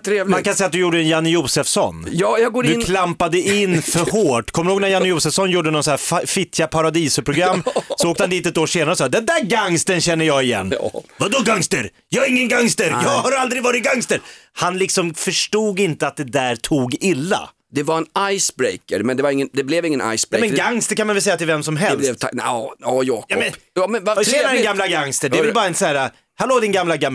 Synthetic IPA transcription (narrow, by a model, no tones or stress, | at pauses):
t̪ʰɾeːvlmankʰansɛjːat̪̚d̪ɵjuːɖəɛnjanːɪjuːsɛfsɔ̰njɑːjɑɡoːɾɵkʰlampad̪əɪnːfœɾɦoːʈːkʰɔmːəɾhoːɡnæɾjanːɪjuːsɛfsɔnjuːɖənɔsnæːffɪt̪ʰjapʰaɾad̪iːsʊpʰɾʊɡɾamːsɔoːkt̪əhand̪iːt̪ɛt̪oːʂeːnaɾəsɑd̪ɛnd̪æɾɡaŋst̪ənɕɛnːəjɑːɡɪjɛ̰nːvad̪ɔɡaŋst̪əɾ | jɑɪŋːənɡaŋst̪əɾjɑːɡhaɾald̪ɾɪɡvɑːɾɪt̪̚ɡaŋst̪əɾhanlɪksɔmfœʂʈuːɡɪnt̪əat̪̚d̪ɛd̪æɾt̪ʰuːɡɪlːa̰ | d̪̥ɛvaɾɛnajsbɾejkəɾmɛnd̪ɛvaɾɪŋːənd̪ɛblɛvɪŋːəna̰jsbɾmɛnɡaŋst̪əkʰanmanvɛlsɛjat̪ʰɪlvɛmsɔmɦɛlɛlɛvt̪ʰaɑjɑːkjamɛnɑmɛnvaɛanɛɡamːlaɡaŋst̪əɖɛvɛlbɑːɾaɛnsæːɾa | haloːd̪ɪnɡamlaɡam